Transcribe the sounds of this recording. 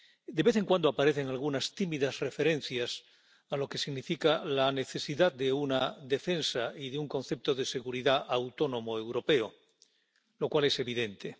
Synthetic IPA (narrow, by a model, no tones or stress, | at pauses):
d̪eβe̞θe̞ŋkwand̪oapaɾe̞θe̞ŋalɣunast̪imiðasre̞fe̞ɾẽ̞n̟θjas | alo̞ke̞siɣnifikalane̞θe̞siðaðd̪eunaðe̞fe̞nsaiðeuŋkõ̞nθe̞p̚t̪o̞ðe̞seɣuɾiðaʔawt̪o̞nõ̞mo̞ewɾo̞pe̞o | lo̞kwale̞se̞βiðe̞nt̪e̞